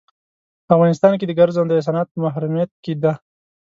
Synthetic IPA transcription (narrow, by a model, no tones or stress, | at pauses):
pəafɣɑnɪst̪ɑnk̬ed̪əɡaɾzand̪əes̬ɑnɑt̪̚pəmaɦɾumijat̪̚ked̪a